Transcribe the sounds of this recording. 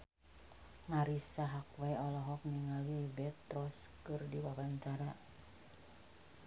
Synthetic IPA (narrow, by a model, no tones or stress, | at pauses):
ŋaɾisaɦakwajɔlɔɦɔk̚niŋalwibɛt̪ɾɔs | kɨrdiwabaɲt͡ʃaɾa